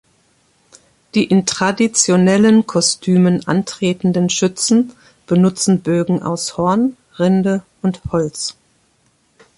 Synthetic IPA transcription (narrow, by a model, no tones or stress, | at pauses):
d̥iːʔɪntʁ̥adit͡sjonɛlənkʰɔstʰyːmənʔa̰ntʁ̥eːtn̩dənʃʏt͡sn̩ | b̥ənʊt͡sn̩bøːɡŋ̩ʔa̰ʊshɔɐn | ʁɪndə | ʊnthɔlt͡s